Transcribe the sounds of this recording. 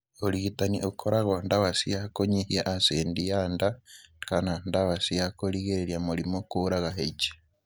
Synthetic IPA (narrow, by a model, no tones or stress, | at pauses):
oliɣitaniʔokʰoɾaɣondaβasiakoɲehiaʔasendijandakanandaβasiakoliɣeɾeɾjamuɾimokoɾaɣaɦet͡ʃe̥